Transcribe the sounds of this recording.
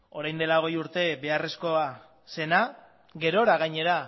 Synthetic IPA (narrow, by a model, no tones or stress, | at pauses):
o̞ɾajnd̪e̞laoɣ̞e̞juɾt̪e̞be̞are̞sko̞a | se̞na | ɣe̞ɾo̞ɾaɣaɲe̞ɾa